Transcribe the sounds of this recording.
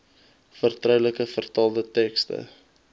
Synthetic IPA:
fərtrœwləkəfərtɑːlˠdətɛkstə̰

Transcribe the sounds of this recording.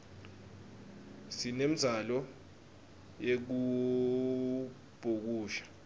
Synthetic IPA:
sinem̩izalɔ | jek̬u | b̥ʱuk̬uːʃḁ

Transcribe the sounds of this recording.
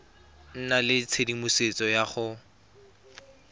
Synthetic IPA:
n̩nalɪt͡sʰedimʊset͡sʼɔjaχʊ

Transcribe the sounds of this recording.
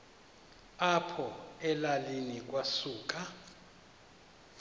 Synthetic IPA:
apʰɔɛlalinik̬ʼwasuːk̬ʼa

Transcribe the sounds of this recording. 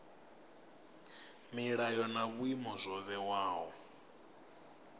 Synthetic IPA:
miɺajɔnaβwimɔzʷɔβɛwaːɦɔ

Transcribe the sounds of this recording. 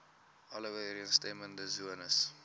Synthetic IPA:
ʔɔləwəɾiənsteməndəzuənəs

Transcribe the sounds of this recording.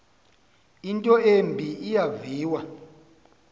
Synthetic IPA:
intʼɔembʱiijaviːwa

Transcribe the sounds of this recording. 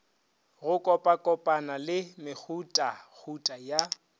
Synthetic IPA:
ɣʊkʼɔpʼakʼɔpʼanalɪmɪk͡xʰutʼak͡xʰutʼaja

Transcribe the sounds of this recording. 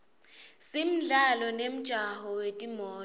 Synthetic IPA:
sim̩ɮalɔnem̩d̥ʒ̥ʱahɔwetʼimɔː

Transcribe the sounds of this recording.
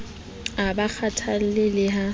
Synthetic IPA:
abak͡xʰatʰan̩lɪlɪɦa

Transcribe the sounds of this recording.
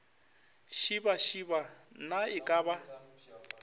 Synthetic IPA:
ʃibaʃiba | naɪkʼaːba

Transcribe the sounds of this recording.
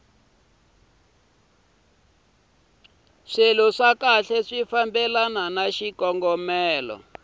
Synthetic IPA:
ʂelɔʂakaɬɛʂifambɛlananaʃikɔŋɡɔmɛːlɔ̰

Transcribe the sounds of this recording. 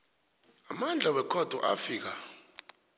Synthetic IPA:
amand͡ɮʱawɛkʰɔd̥ʱɔ̰ʔa̰fiːk̬a

